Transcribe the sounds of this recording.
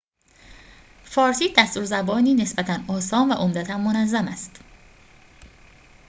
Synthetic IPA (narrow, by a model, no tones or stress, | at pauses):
fɒːɾsiːd̪æst̪uːɾzæbɒːniːne̞sbæt̪ʰænɒːsɒːnvæʔomd̪æt̪ʰænmonæzːæmæst̪